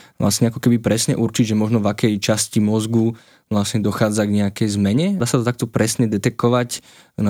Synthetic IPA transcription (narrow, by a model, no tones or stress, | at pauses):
ʋla̰sɲɛakɔkɛbipɾɛsɲɛ̰ʔuɾt͡ʃiɟʒɛmɔʒnɔvakɛjt͡ʃascimɔzɡu | ʋlasɲɛd̪ɔxaːd͡zaɡɲɛakɛjzmɛɲɛd̪aːsat̪ɔt̪ak̚t̪ɔpɾɛsɲɛd̪ɛt̪ɛkɔʋac | na